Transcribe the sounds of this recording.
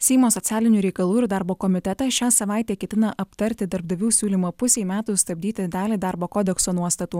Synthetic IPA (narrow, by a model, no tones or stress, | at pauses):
sʲɛɪmoːsɔt̪sʲæːlʲɪnʲuːɾʲɛɪkɐlˠuːɪɾd̪ɑˑɾboːkɔmʲɪt̪ʲɛt̪ɐʃʲæːsɐʋɑˑɪt̪ʲeːkʲɛt̪ʲɪnɐʔɐpt̪ɐɾʲt̪ʲɪd̪ɐɾbd̪ɐʋʲuːsʲuːlʲiːmɐpʊsʲemʲæːt̪ust̪ɐbʲd̪ʲiːt̪ʲɪd̪ɑːlʲid̪ɑɾboːkoːd̪ʲɛksoːnuɔst̪ɐt̪uː